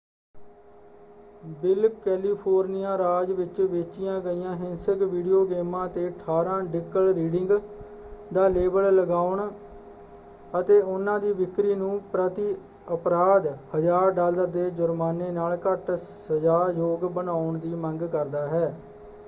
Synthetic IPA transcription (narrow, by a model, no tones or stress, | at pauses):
bɪlkɛːliːpʰoːɾnɪjãːɾaːd͡ʒʋɪt͡ʃʋeːt͡ʃɪjãːɡəiːãːɦɪ̃nsəkʋiːɖijoːɡeːmãːt̪eːəʈʰaːɾãːɖɪkːəlɾiːɖɪŋɡ | d̪aːleːbəlləɡaːʊɳ | ət̪eːʊnãːd̪iːbɪk̪ːɾiːnũːpɾət̪i | əpɾaːd̪həd͡ʒaːɾɖaːləɾd̪eːd͡ʒʊɾmaːneːnaːlkəʈsəzaːjoːɡbənaːʊɳd̪iːməŋɡkəɾd̪aːɦɛː